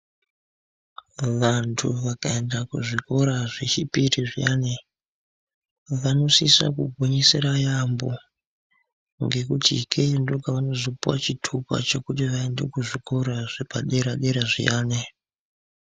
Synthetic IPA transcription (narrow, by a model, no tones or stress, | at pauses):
ʋantʰṵʋakaendakuʐiko̞ɾaʐet͡ʃipitiʐijane | ʋano̞sisa̰kuɡʱoɲiseɾajambo̞̰ | ŋɡe̞kutḭkʰendokaʋano̞zipuwat͡ʃitʰupa̰t͡ʃo̞kutiʋae̞nde̞kuʐikʰo̞ɾaʐ̥epaɗe̞ɾaɗe̞ɾaʐḭjaːne